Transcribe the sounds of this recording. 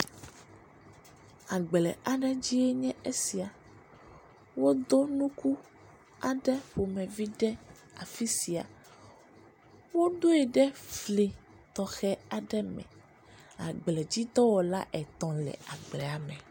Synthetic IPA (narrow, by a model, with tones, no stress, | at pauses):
a˨ɡ͡blɛ˨ʔa˨ɖɛ˦d͡ʑi˦ɛ˦ɲɛ̃˦e˦si˨a˨ | wo˦d̪o˦nũ˦ku˦ | a˨ɖɛ˦ɸo˨mɛ̃˨vi˦ɖɛ˦ | a̰˨fi˦si˨a̰˨ | wo˦d̪o˦ɛ˨ɖɛ˦fli˨ | t̪ɔ˨xɛ˦a˨ɖɛ˦mɛ̰̃˨ | a̰˨ɡ͡blɛ˨d͡ʑi˦t̪ɔ˦wɔ˨la̰˦ʔɛ˨t̪ɔ̃˨lɛ̰˨a˨ɡ͡blɛ˨a˨mɛ̃˨